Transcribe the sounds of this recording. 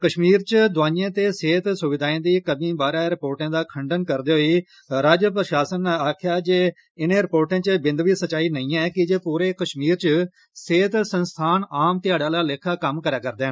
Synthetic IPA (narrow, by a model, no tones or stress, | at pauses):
kəʃmiːɾt͡ʃəd̪ʊaːiãːt̪eːseːt̪sʊʋɪd̪aːẽːd̪iːkəbĩːbaːɾaːɾɪpoːɾʈãːd̪aːkʰəɳɖənkəɾd̪eːɦoiː | ɾaːd͡ʒpɾəʃaːsənaːkʰjaːd͡ʒeː | ɪnẽːɾɪpoːɾʈãːt͡ʃəbɪnd̪ʋiːsət͡ʃaːiːnəĩːɛ̃ːkɪd͡ʒeːpuːɾeːkəʃmiːɾt͡ʃə | seːt̪sənst̪ʰaːnaːmt̪ɪjaːɽaːlaːleːkʰaːkəmkəɾaːkəɾd̪ẽː